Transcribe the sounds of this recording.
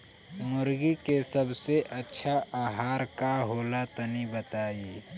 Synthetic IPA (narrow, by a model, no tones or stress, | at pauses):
mʊɾɡikesəbseʔətːʃʰaaːɦaːɾkaɦoːlat̪ənibət̪aːi